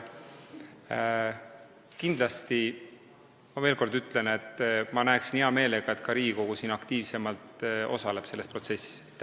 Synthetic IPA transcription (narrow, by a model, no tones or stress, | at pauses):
kind̪lɑst̪i | mɑveːlko̞rd̪yt̪ːˑlene̞t̪ːˑmɑnæeksiniɑme̞ːle̞ɡ̥ɑe̞t̪kɑɾiːɡiko̞ɡ̥usinɑkt̪iːvse̞mɑlt̪o̞̰sɑle̞b̥se̞lːe̞spro̞t̪se̞sːi̥s